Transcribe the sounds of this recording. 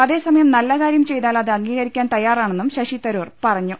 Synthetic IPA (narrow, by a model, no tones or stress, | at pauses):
ɐðe̞ːsɐmɐjɐmnɐlːɐkaːɾjɐmt͡ɕe̞jt̪aːlɐðɨɐŋɡiːɣɐɾikʲːaːnt̪ɐjːaːraːɳe̞nːumɕɐɕit̪ːɐɾuːrpɐrɐɲːu